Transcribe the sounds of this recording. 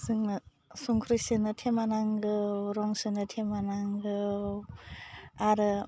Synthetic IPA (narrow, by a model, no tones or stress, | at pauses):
sɯŋnɐ | suŋkʰɾɯsɯnɯtʰemanaŋɡɯwɾɔŋsɯnɯtʰemanaŋɡɯ | aɾɯ